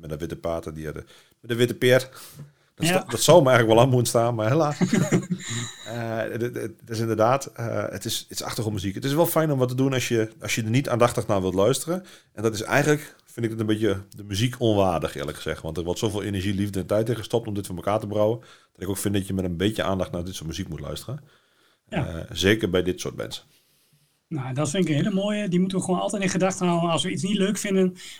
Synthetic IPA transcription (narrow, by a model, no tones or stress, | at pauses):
mɛdəʋɪtəpaːtədiɛdə | mɛdəʋɪtəpjɪt | ddɔtsɔwmɛɛjxələkʋɔlˠammunstaːnmarhelaːs | ə | tɪsɪndərdaːtə̰ə̰tɪsitsa̰xtəomyzikətɪsʋɛlˠfɛjnomʋɔt̬ədunɔsjəɔsjədənita̰ːndaxtəxnaːʋɪlˠtlœɥstərənʔɛndɔtɪsɛ̰jɣəntlək | fɪ̃ndɪɡ̚dɪtənbɪtjədəmyzikʰonʋaːrdəxɪ̰ːrləkxəz̥ɛxʋɑ̰ntərʋɔtsoːveːlˠenəɹʒilivdəɛntɛjtɪχəstɔp̚tɔmdɪtfɔməkaːtəbərawənd̥ɔtɪkowkfɪndɔtjəmɛtənbɪtjə̰ʔa̰ːndaxtnadɪtsʊtmyzikmutlœ̰ɥstərən | zeːkərbɛjdɪtso̰ːt̚mɛ̰nsə | nadɔtfɪnɪkənɦeləmoːjədimutənʋəxəwoːnɑ̰lˠtɛjtɪ̃nχədaxtəhawənɑlˠsʋəisnitløːkfɪndən